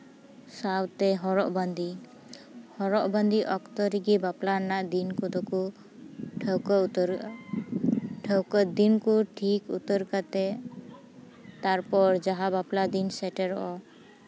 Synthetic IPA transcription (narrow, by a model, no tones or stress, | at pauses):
sawt̪ɛɦɔɾɔʔband̪ʱi | hɔɾɔʔband̪iʔɔkt̪ɔɾiɡibaplanaʔd̪inkud̪ɔku | ʈʰəwkɔt̪ɾ | ʈʰəwkəd̪inkuʈʰikṵt̪əɾkat̪ɛ | t̪aɾpɔɾd͡ʒaɦabaplad̪insɛʈɛɾɔʔɔ